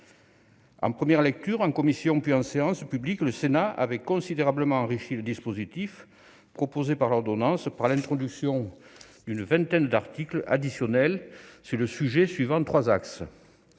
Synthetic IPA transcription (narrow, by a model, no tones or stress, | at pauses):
ɑ̰̃pχəmjɛʁlɛk̚t̪yʁɑ̃kɔmisjɔ̃pɥiɑ̃seɑ̃spyblikləsenaʔa̰vɛkɔ̃sid̪eʁabləmɑ̃ɑ̃ʁiʃiləd̪ispozit̪if | pχɔpozepaʁlɔʁd̪ɔnɑ̃spaʁlɛ̃nt̪χɔd̪yksjɔ̃ | d̪ynəvɛ̃nt̪ɛnd̪aʁt̪ikla̰d̪isjɔnɛlsyʁləsyʒesɥivɑ̃t̪χwazaks